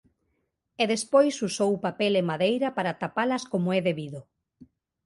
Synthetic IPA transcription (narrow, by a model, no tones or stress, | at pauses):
eðespojsusowpapɛlemaðejɾɐpaɾat̪apalɐskomoɛðeβiðʊ